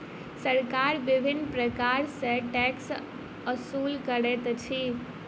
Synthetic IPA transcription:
səɾkaɾbɪbʱɪnːpɾəkaɾsẽʈɛks | əsulkəɾet̪t͡ʃʰi

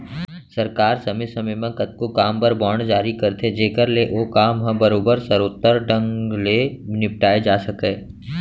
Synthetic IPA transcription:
sɐɾkaːɾsɐmɪsɐmemẽkɐt̪̚kokaːmpəɾbɔːɳd͡ʒaːɾikɐɾt̪ʰed͡ʒeːkəɾleʔoːkaːmɦɐ̃bɐɾoːbəɾsɐɾoːt̪ːəɾɖə̃ŋɡlenɪp̚ʈaːed͡ʒaːsɐkeː

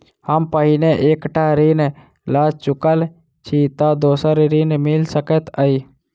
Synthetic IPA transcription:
həmpəɦineʔeːkʈaɾin | laːd͡ʒt͡ʃʊkəl | t͡ʃʰit̪ad̪oːsəɾɾinmɪlsəkət̪əi

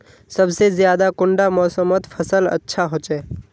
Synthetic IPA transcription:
səbsezjaːd̪akʊ̃ɳɖamɔːsəmət̪pʰəsələ̰tːʃʰaɦoːt͡ʃɛː

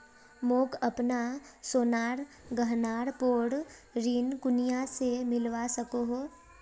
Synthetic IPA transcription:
moːkɐpnasoːnaːɾ | ɡəɦnaːɾpoːɽɾinkʊnijasemɪlʋasɐkoɦoː

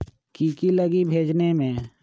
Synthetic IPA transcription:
kiːkiləɡibʱeːd͡ʒnemẽː

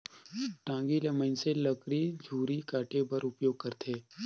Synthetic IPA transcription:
ʈãːŋɡilɐmənselɐkɾid͡ʒʱuːɾikaːʈebɐɾʊpjoːɡ̚kəɾt̪ʰeː

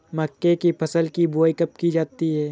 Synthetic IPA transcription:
mɐkːekipʰɐsəlkiboːjkɐpkid͡ʒaːt̪iɦɛː

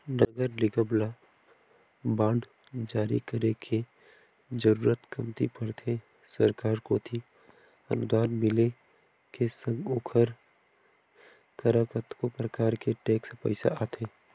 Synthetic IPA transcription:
nɐɡəɾlɪɡəbla | bãːɳɖ | d͡ʒaːɾḭkəɾekʰe | d͡ʒəɾuːɾət̪kɐmt̪ḭpəɾt̪ʰe | səɾkaːɾkoːt̪ʰi | ɐ̰nʊd̪aːɾmɪle | kesə̃ŋɡʊkʰəɾ | kəɾakət̪kopɾəkaːɾkeʈeːkspɛ̰ɪsa̰ʔaːt̪ʰeː

